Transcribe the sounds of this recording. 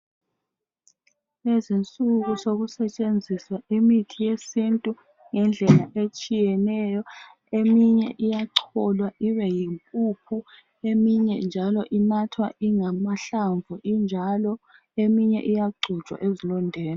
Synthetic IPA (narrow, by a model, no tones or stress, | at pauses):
ezint͡sʼuɣusoɣusɛt͡ʃʼend͡zʱiswaimitʰijesintʼu | ŋɛnd͡ɮʱɛlaʔet͡ʃʼijɛnɛjɔ | emiɲɛ̰ʔijaǀʰɔlwaʔiβɛjimpʼupʰu | emiɲɛ̰nd͡ʒʱalɔʔinatʰwa̰ʔiŋamaɬaɱvʱuʔind͡ʒʱalɔ | emiɲɛ̰ʔijaɡ͡ǀʱu̥t͡ʃʼwa̰ʔezilɔndʱɛːla